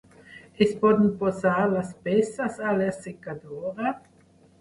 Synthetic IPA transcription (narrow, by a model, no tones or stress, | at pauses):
espɔd̪n̩pozaɾlaspɛsasalesekad̪oɾa